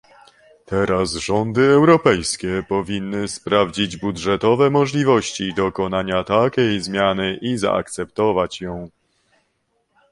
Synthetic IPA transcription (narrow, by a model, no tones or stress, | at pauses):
t̪ɛɾazʐɔnd̪ɘɛwɾɔpɛjskʲɛpɔvʲinːɘspɾavd͡ʑid͡ʑbudʐɛt̪ɔvɛmɔʐlʲivɔɕt͡ɕid̪ɔkɔnaɲat̪akʲejzmʲjanɘʔiza̰ʔa̰k̚t̪sɛpt̪ɔvat͡ɕjɔ̃w̃